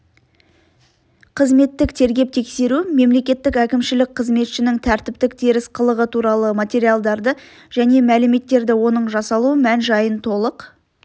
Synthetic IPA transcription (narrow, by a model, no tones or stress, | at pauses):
qʰəzme̞t̪ːɪkt̪ʰe̞ɾɡʲe̞p̚t̪ʰe̞kse̞ɾume̞mle̞kʲe̞t̪ːɪkækʲɪmʃɪlɪk̚qʰəzme̞t̪ʃɪnɪŋt̪ʰæɾt̪ɪp̚t̪ɪk̚t̪ʰeɾɪsqʰəlˠəʁət̪ʰuɾɑlˠəmat̪ʲe̞ɾijalˠd̪ɑɾd̪ə | ʒ̥æne̞mælɪme̞t̪ːe̞ɾd̪ɪwo̞nəɴʒɑsɑlˠuəmænʒɑjənt̪ʰo̞lˠəq